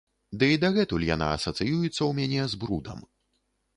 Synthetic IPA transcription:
d̪ɨid̪aɣɛt̪ulʲja̰na̰ɐsɐt̪sɨjujut̪sːɐwmʲanʲɛzbɾud̪ɐ̰m

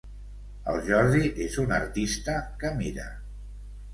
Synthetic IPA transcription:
ə̰lˠʒɔɾðiʔezunəɾt̪ist̪əkəmiɾə̰

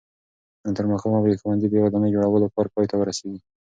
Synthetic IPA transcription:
ət̪əɾməxɑmabxwand̪ibewad̪ɑnəjd͡ʒoɽawəlokɑɾpɑjt̪awəɾaseɡi

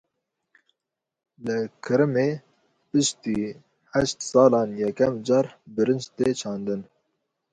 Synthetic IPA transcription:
lɨkʰɨɾɨmeː | pɨʃt̪iː | hæʃt̪sɑːlɑːnjɛkɛmd͡ʒɑːɾbɨɾɨnd͡ʒt̪eːt͡ʃʰɑːnd̪ɨn

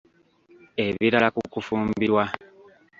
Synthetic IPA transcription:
e̞βiɾalakukufuːmbiɾwa

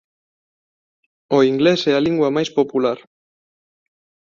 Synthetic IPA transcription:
oiŋɡlesealiŋɡwamajspo̞pulaɾ

